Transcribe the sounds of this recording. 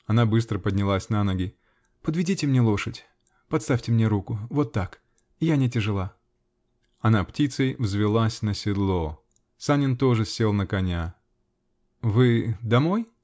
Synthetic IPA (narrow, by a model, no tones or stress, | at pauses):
ɐnabɨs̬t̪ɾəpədʲnʲɪlˠasʲnanoɡʲɪ | pəd̪vʲɪdʲitʲɪmnʲelˠo̞ʂətʲ | pɐt̪st̪afʲtʲɪmnʲeɾukʊvo̞t̪ːak | ɪjanʲɪtʲɪʐɨlˠa | ɐnaptʲit̪səjvzvʲɪlˠasʲnəsʲɪd̪lˠo | sanʲɪnt̪o̞ʐɨsʲe̞lˠnəkɐnʲa | vɨd̪ɐmo̞j